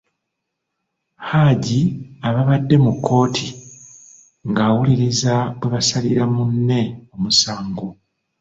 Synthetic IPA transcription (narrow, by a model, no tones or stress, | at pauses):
haɟiaβaβadːe̞mukʰːo̞ːtʰi | ŋɡaːwuliɾizaβwe̞βasaliɾamunːe̞omusaːŋɡo